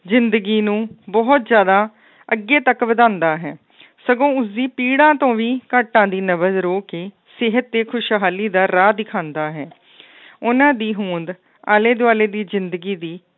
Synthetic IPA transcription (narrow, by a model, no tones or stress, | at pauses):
zɪnd̪əɡiːnũːbɔːt̪zjaːd̪aː | əɡːeːt̪əkʋəd̪ãːnd̪aːɦɛː | səɡõːʊsiːpiːɽãːt̪õːʋiːkəːʈːãːd̪iːnəʋəzɾoːkeː | sɪɦət̪̚ːeːkʰʊʃɦaːliːd̪aːɾaːd̪ɪkʰãːnd̪aːɦɛː | ʊnãːd̪iːɦũːnd̪ | aːleːd̪ʊaːleːd̪iːzɪnd̪əɡiːd̪iː